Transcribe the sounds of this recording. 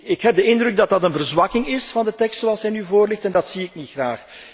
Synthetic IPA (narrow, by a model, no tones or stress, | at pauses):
ɪkɦɛb̚dəɪndɾɵɡ̚dɑt̚dɑtənvərzwɑkɪŋɪsfɑndətɛkstsoɑlˠsɦɛjnyvoːrlɪxtɛndɑtsiɪknitxraːx